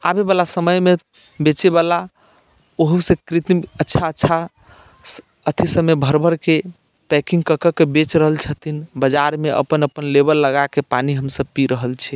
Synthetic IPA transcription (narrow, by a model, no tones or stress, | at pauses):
abebalasəməjme | bet͡ʃebala | oɦusẽkɾit̪ətːʃʰaətːʃʰa | ət̪ʰisəmebʱəɾbəɾke | pɛkĩŋɡkəkəkebet͡ʃɾəɦəlt͡ʃʰət̪ʰinbəd͡ʒaɾmeʔə̰pənəpənlebəlːəɡakepaniɦəmsəb̚piɾəɦəlt͡ʃʰɛ